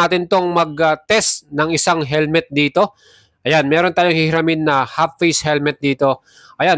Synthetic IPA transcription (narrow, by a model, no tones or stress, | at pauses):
aːt̪ɪnt̪o̞ŋmɐɡ̚ɐt̪ɛst̪nɐŋɪsaŋɦɛlmɛt̪̚d̪iːt̪o̞ | ʔɐjanmɛːɾont̪aːjoŋhɪhɪɾɐmɪnːɐhapfejshɛlmɛt̪̚d̪iːt̪o̞ | ʔɐjan